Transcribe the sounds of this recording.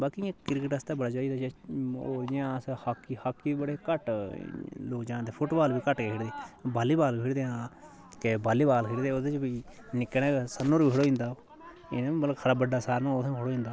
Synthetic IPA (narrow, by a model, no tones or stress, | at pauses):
baːkĩkɪɾkəʈəst̪aːbəɽaːd͡ʒaːid̪aːd͡ʒeoːd͡ʒãːshakːihaːkːibəɽeːkəʈ | loːkd͡ʒãːd̪eːpʰʊʈbaːlbiːkəʈkeːkʰɪɽd̪eːbaːliːbaːliːpʰɪɾd̪eːãː | kebaːliːbaːlkʰɪɽd̪eːod̪et͡ʃbiːnɪkːɽɛːsənːõːɾbiːkʰɪɽoːĩːnd̪aː | ɪnãmələkkʰəɾaːbəɖaːsaːɾnãːoːt̪ãkʰɪɽoːĩːnd̪aː